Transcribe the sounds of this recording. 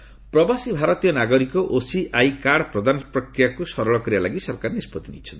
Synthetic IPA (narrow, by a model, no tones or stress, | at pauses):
pɾɔbasibʱaɾɔt̪ijɔnaɡɔɾikɔʔosiʔajkaɽpɾɔd̪anɔpɾɔkɾijakusɔɾɔɭɔkɔɾibalaɡisɔɾkaɾnispɔt̪inḭjt͡ʃʰɔnt̪